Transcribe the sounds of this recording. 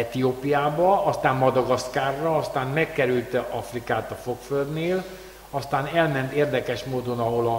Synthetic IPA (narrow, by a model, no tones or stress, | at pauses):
ɛt̪ioːpijaːbɒɒst̪aːmmɒd̪ɒɡɒskaːrːɒɒst̪aːnmɛkːɛɾylt̪ɛʔɒfrikaːt̪ɒfo̞kføld̪neːl | ɒst̪aːnɛlmɛnt̪eːrd̪ɛkɛʃmoːd̪o̞nɒɦo̞lɒ